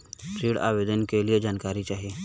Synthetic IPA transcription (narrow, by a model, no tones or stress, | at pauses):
ʈ̪ɾiːɽa̰ːʋeːd̪ənkelied͡ʒaːnkaːɾit͡ʃaːɦieː